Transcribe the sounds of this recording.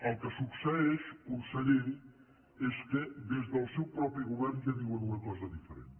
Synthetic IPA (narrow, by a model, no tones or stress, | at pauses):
ɐlˠkəsuksɛeʃkusɐʎeɾ | ɛskeðezðɐlˠsewpɾɔpɾiɣuβɛɾnʒaβiwɐnuŋɐkɔzɐðifəɾḛnt̪